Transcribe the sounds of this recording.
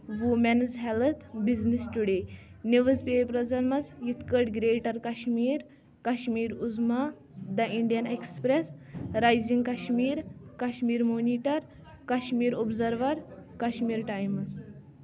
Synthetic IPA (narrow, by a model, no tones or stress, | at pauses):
ʋumɛnzɦɛlət̪ʰbiznisʈuɽeniʋəzpepɾɐd͡zɐnmɐzjit̪ʰkəʈɡɾeʈɐɾkaɕmiːɾ | kaɕmiːɾuzma | d̪ɐʔiɳɖijənekspɾesɾajziŋɡkaɕmiːɾkaɕmiːɾmoniʈɐɾ | kaɕmiːɾɔbzɐɾʋɐɾkaɕmiːɾʈajmɐz